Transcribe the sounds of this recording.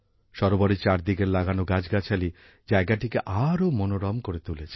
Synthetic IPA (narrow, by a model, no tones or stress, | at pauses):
ʃɔɾobɔɾit͡ʃaɾd̪iɡeɾlaɡanoɡad͡ʒɡat͡ʃʰali | d͡ʒaeɡaʈikeʔaɾomonoɾɔmkoɾet̪ulet͡ʃʰi̥